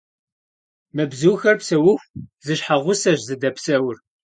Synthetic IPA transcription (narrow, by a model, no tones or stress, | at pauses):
mɨbzuwxɐrpsɐwʊxʷzɨɕħaʁʷʊsɐʑzɨdɐpsɐwʊr